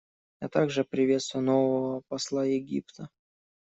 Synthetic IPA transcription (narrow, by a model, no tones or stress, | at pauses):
ja̰t̪aɡʐɨpɾʲɪvʲe̞t̪st̪vʊjʊnovəvəpɐslˠajɪɡʲḭpt̪ə